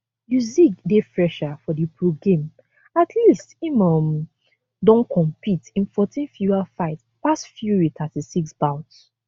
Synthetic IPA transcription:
juzikdefɹɛʃafɔdipʰɹuɡẽm | atʰlistimɔm | dɔ̃nkʰɔ̃mpʰitĩnfɔtʰĩnfjualfaɪt | pasfjuɹitʰatisiksbãʊts

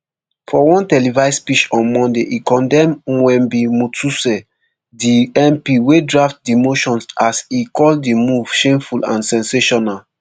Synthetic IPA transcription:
fɔwɔ̃ntɛlivaɪspit͡ʃɔ̃nmɔ̃ndeʔikɔ̃ndɛ̃mwɛ̃mbimutʰusɛ | diɛ̃mpiwedɹaft̚dimoʃɔ̃nsasikɔldimuv̥ʃẽmfulã̰nsɛ̃nseʃɔnal

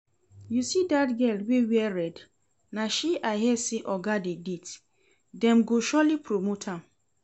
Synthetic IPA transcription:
jusidatɡɛldwewiɛɾɛd | nãʃiʔaɦɛsɪʔɔɡadedit | dɛ̃mɡoʃɔlipʰɾomotʰãm

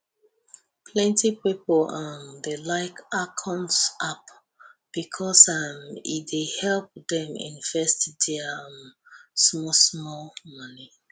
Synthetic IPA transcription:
pʰlɛ̃ntipipəlamdelaɪkakʰɔ̃nsʔap | b̥ikʰɔsamḭdehɛlˠp̚dɛ̃mḭ̃nfɛstdɛ | smɔsmɔlmʌni

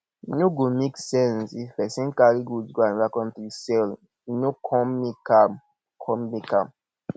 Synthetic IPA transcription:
nuɡumeksɛ̃nsifɛsĩnkaɾiɡud͡ʒɡoanɹakɔ̃ntisɛl | nukʰɔmːikam | kʰɔmmikam

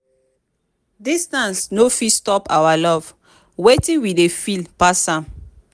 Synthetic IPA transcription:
distãnsnofistɔpawalɔv̥ | wetĩnwidefilpasãm

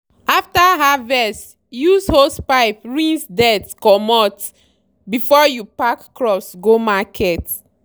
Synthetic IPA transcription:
aftaɦavɛs | jushospaɪpɹĩnsdɛtkɔmɔt | bifɔjupakːɹɔsɡomakʰɛt

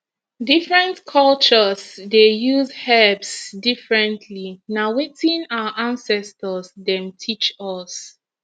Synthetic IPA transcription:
difɹɛ̃ntkʰɔlt͡ʃəsdejuzhɛbsdifɹɛ̃ntʰlinawitĩnawəʔãnsɛstəsdɛ̃mtʰit͡ʃɔs

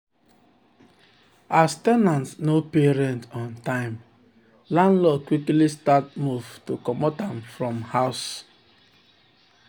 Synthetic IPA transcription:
astɛnãntsnopeɹɛ̃ntɔ̃ntãɪ̃m | lãnlɔkwiklistat̚muvtukɔmotãmfɹɔ̃mhaʊs

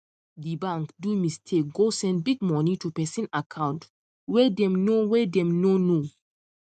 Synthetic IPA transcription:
dibãŋkdumistʰek̚ɡosɛ̃nd̚biɡ̚mɔnitupɛsĩnakʰãʊ̃nt | wɛdɛ̃mnowɛdɛ̃mnono

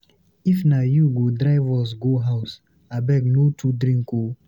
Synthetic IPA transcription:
ifnajuɡodɾaɪvɔs̬ɡoɦaʊs | abɛknotʰudɾĩŋko

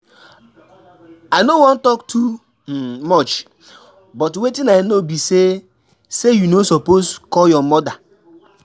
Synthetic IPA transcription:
aɪnowɔ̃n̩tɔktʰu | mɔt͡ʃ | bɔtwetinaɪnobise | sejunosɔposkɔjɔmɔda

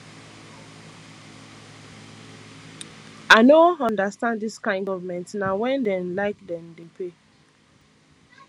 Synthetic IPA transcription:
aɪnoɔ̃ndəstãnddiskãɪ̃ndɔvmɛ̃ntsnawɛ̃ndɛ̃nlaɪkdɛ̃mdepʰɹe

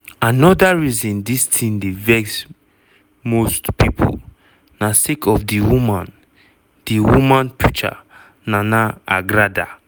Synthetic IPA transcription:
anɔdaɹizĩndistʰĩndevɛks | mostpipʰṵl | nasekɔfdiwumãn | d̥iwumãnpʰut͡ʃa̰ | nanaaɡɹada̰

